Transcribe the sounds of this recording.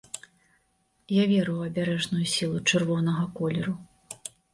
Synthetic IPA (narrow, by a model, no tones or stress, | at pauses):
javʲɛɾɨjwɐbʲaɾɛʐnujusʲilˠut͡ʂɨrvɔnɐɣɐkɔlʲɛɾu